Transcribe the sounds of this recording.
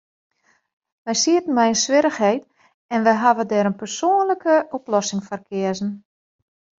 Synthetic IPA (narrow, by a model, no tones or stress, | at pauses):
ʋɛjsiətən̩mɛjənsʋɪɾəxhɛjt | ɛnʋɛjɦaʋədɛːɾənpərsoːnləkəɔplɔsɪŋfərkʰɪəzn̩